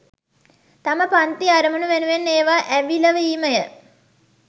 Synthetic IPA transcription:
t̪aməpant̪iaɾəmənuʋenuʋenːeːʋaːʔæʋiləʋəiːməjə

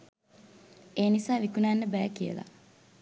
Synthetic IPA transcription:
eːnisaːʋikunanːəbæːkijə̰la̰

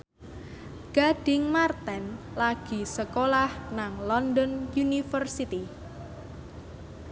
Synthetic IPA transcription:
ɡ̥a̤ɖ̥ɪŋmart̪ɛn | laɡ̥i̤səkolahnaŋlɔnd̪ɔnjunifərsit̪i

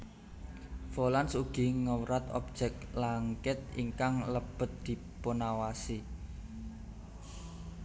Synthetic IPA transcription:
folansuɡ̥iŋəwɾat̪ɔ̰p̚d͡ʒ̥ɛk̚laŋkɪt̪̚ḭŋkaŋləb̥ə̤t̪̚d̪̥i̤ | ponawasi

